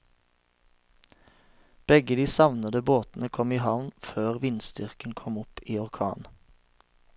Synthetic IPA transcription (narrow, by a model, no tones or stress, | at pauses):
b̥ɛɡəd̪iːsɑʋnəd̪əboːt̪n̩əkʰɔmiːhɑʋnføːʁʋɪnsd̪ʏʁkənkʰɔmʊpiːɔʁkʰɑ̰ːn